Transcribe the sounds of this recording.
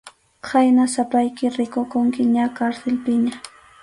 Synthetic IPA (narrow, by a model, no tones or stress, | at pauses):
kʰajnasapajkɪɾɪkʊkʊŋkɪɲakaɾselpɪɲa